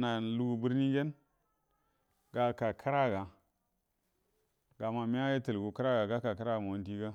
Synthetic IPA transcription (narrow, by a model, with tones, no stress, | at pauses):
na˨lu˦ɡu˨bu˦ɾni˦d͡ʒe˦n | ɡa˨ka˨kʰa˦ɾa˦ɡa˨ | ɡa˨ma˨mi˦a˦je˦tə˨lɡu˨ka˦ɾa˦ɡa˨ɡa˦ka˨ka˦ɾa˦˨ma˨u˦n˦di˦ɡa˦